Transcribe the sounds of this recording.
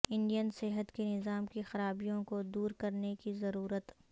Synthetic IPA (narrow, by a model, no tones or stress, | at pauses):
ɪ̃ɳɖijənsɛɦət̪kenɪzaːmkexɐɾaːbijõkod̪uːɾkɐɾnekizɐɾuːɾət̪